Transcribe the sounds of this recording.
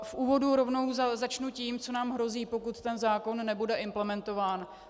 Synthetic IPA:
fʔuːvo̞duɾo̞vno̞wzazat͡ʃnuciːmt͡so̞naːmɦɾo̞ziːpo̞kut̪t̪ɛnzaːko̞nːɛbudɛʔɪmplɛmɛnt̪o̞vaːn

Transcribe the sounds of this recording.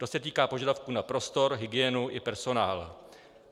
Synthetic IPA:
t̪o̞sɛt̪iːkaːpoʒadafkunapɾo̞st̪o̞ɾɦɪɡɪjɛnuʔɪpɛɾso̞naːla̰

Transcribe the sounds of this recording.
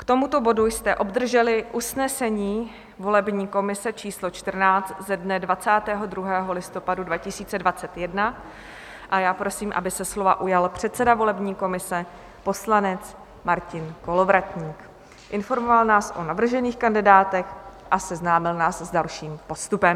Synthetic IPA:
kt̪o̞mut̪o̞bo̞dujst̪ɛʔo̞bd̪r̩ʒɛlɪʔusnɛsɛɲiː | vo̞lɛbɲiːko̞mɪsɛt͡ʃiːslo̞t͡ʃt̪ər̩naːt͡st̪zɛdnɛdvat͡saːt̪ɛːɦo̞d̪ɾuɦɛːɦo̞lɪst̪o̞padudvacɪsiːt͡sɛdvat͡sɛt̪jɛdna | ʔajaːpɾo̞siːmʔa̰bɪsɛslo̞va̰ʔujalpr̝̥ɛt̪t͡sɛdavo̞lɛbɲiːko̞mɪsɛ | po̞slanɛt͡s | maɾcɪnko̞lo̞vɾac̪ɲiːk | ʔɪnfo̞ɾmovalnaːsʔo̞navr̩ʒɛniːxkandɪdaːt̪ɛxʔasɛznaːmɪlnaːszdalʃiːmpo̞st̪upɛm

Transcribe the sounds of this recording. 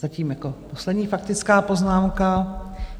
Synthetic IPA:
zaciːmjako̞poslɛdɲiːfakt̪ɪt͡skaːpo̞znaːmka

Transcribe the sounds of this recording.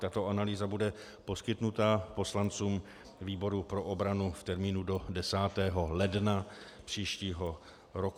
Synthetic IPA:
t̪at̪o̞ʔanaliːzabudɛ | po̞skɪt̪nut̪apo̞slant͡suːm | viːbo̞ɾupɾo̞ʔo̞bɾanuft̪ɛɾmiːnudo̞dɛsaːt̪ɛːɦo̞lɛdna | pr̥iːʃciːɦo̞ | ɾok

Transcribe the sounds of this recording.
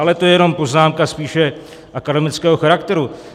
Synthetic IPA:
alɛt̪o̞jɛjɛno̞mpo̞znaːmkaspiːʃɛ | ʔakadɛmɪt͡skɛːɦoxaɾakt̪ɛɾu

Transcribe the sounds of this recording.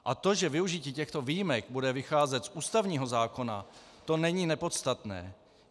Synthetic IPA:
ʔat̪o̞ʒɛvɪuʒɪciːcɛxt̪o̞viːjimɛk̚budɛvɪxaːzɛt̪sʔuːst̪avɲiːɦo̞zaːko̞na̰t̪o̞nɛɲiːnɛpo̞t̪st̪at̪nɛ̰ː

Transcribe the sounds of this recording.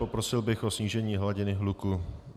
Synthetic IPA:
o̞pɾo̞sɪlbɪxʔo̞sɲiːʒɛɲiːɦlaɟɪnɪɦluku

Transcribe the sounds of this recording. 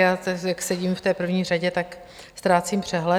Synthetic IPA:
jaːɛjaksɛɟiːmft̪ɛːpr̩vɲiːraɟɛt̪ak | st̪ɾaːt͡simpr̝̥ɛɦlɛ

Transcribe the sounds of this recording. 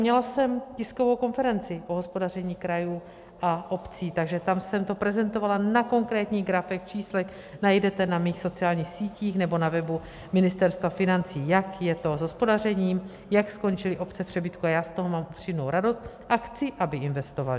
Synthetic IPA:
ɲɛlasɛmcɪsko̞vo̞wko̞nfɛɾɛnt͡sɪʔoɦo̞spodar̝ɛɲiːkɾajuː | ʔaʔo̞pt͡siːt̪aɡʒɛt̪amsɛmt̪o̞pɾɛzɛnt̪o̞valanako̞ŋkɾɛːt̪ɲiːɣɡɾafɛkt͡ʃiːslɛk | najdɛt̪ɛnamiːxso̞t͡siaːlɲiːxsiːciːxnɛbo̞navɛbu | mɪnɪst̪ɛɾst̪vafɪnant͡siːjakjɛt̪o̞zɦospo̞dar̝ɛɲiːm | jaksko̞nt͡ʃɪlɪʔo̞pt͡sɛpr̥ɛbɪt̪kuajaːst̪o̞ɦomaːmʔupr̝̥ɪmnowɾado̞st̪̚ | ʔaxt͡sɪʔabɪɪnvɛst̪o̞va̰lɪ

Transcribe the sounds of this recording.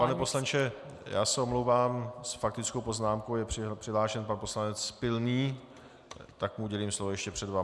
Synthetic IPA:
panɛpo̞slant͡ʃɛ | ja̰ːsɛomlowvaːmsfak̚t̪ɪt͡skowpo̞znaːmkowjɛrɪr̥ɪɦlaːʃɛnpanpo̞slanɛt͡spɪlniː | t̪akmuuɟɛliːmslovojɛʃcɛpr̥ɛdva

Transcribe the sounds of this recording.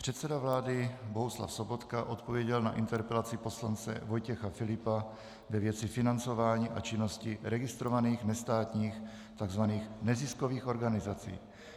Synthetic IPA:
pr̥ɛt̪sɛdavlaːdɪbo̞ɦusla̰fso̞bo̞t̪kaʔo̞t̪po̞vjɛɟɛlna̰ʔɪnt̪ɛɾpɛlat͡sɪpo̞slant͡sɛ̰vo̞jcɛxafɪlɪpa | vɛvjɛt͡sɪfɪnant͡so̞vaːɲiːʔa̰t͡ʃɪno̞scɪɾɛɡɪst̪ɾo̞vaniːxnɛst̪aːt̪ɲiːx | t̪aɡzvaniːxnɛzɪskoviːxʔo̞ɾɡanɪzat͡sḭː

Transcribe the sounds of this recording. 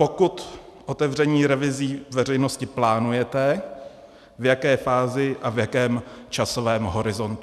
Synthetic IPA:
po̞kut̪ʔot̪ɛvr̝ɛɲiːɾɛvɪziːvɛr̝ɛjnoscɪplaːnujɛt̪ɛ | vjakɛːfaːzɪʔavjakɛːmt͡ʃaso̞vɛːmɦo̞ɾɪzo̞nt̪

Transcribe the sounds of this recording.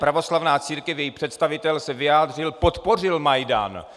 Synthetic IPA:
pɾavo̞slavnaːt͡siːɾkɛfjɛjipr̝̥ɛt̪st̪avɪt̪ɛlsɛvɪaːd̪rɪlpot̪po̞r̝ɪlmajda̰ːn

